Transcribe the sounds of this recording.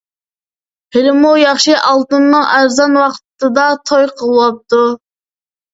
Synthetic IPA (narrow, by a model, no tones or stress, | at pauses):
hɪlɪmujɑχʃɨʔɑlˠt̪ɨnːɨŋʔæɾzɑnwɑqt̪ːɨd̪ɑt̪ʰojqʰəlˠwɑp̚t̪u